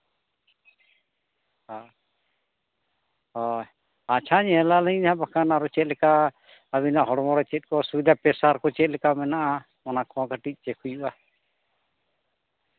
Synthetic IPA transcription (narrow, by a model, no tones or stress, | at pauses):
ha | ɔ | at͡ʃʰaɲɛɦɛlalɛɲɲãbakanaɾɔt͡ʃɛt̪̚lɛka | aβinaɦɔɽɔmɔɾɛt͡ʃɛt̪̚ˀkɔsubid̪ʱapɛsaɾkɔt͡ʃɛt̪̚lɛkamɛnaʔa | mɔnakɔaɡaʈic̚ˀt͡ʃɛkʰujuʔa